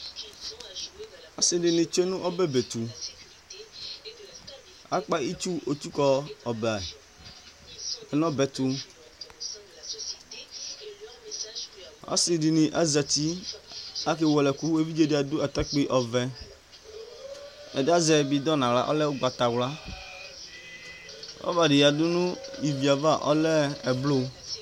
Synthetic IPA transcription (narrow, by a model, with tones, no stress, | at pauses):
a̰˦si˨ɖi˨nĩ˨t͡ʃo˦e˦nũ˦ʔɔ˦bɛ˦be˨t̪u˨ | a̰˦k͡pa˦i˦t͡ʃu˦o˨t̪u˦kɔ˦ɔ˨ba˨ | ɛ˦nɔ̃˦bɛ˨t̪u˦ | a̰˦si˨di˨nĩ˨ʔa˦za˨ti˦ | a˦ke˦wɔ˨lɛ˨ku˦e˦vi˦d͡ʒe˦di˨a˨d̪ʊ˦a˨t̪a˦k͡pi˦ʔɔ˨vɛ˨ | ɛ̰˨da˦zɛ˨bi˨d̪ɔ˦nã˨la̰˦ʔɔ̰˦lɛ˦wʊ˦ɡ͡ba˨t̪a˨wla˦ | ɔ̰˦va˨ɖi˨ja˨dʊ˦nʊ̃˦i˨vi˨a˨va˦˨ʔɔ̰˦lɛ˦ɛ˨blʊ˦